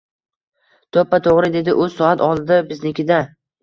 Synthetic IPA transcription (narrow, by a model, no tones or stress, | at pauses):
t̪ʰopːat̪ʰoʁɾɪd̪e̞d̪ɪʔʊz̥sɒat̪ɒlˠd̪ɪbɪznɪkʲɪd̪a